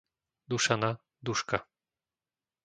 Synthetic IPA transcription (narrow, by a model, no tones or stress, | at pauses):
d̪uʃana | d̪uʃka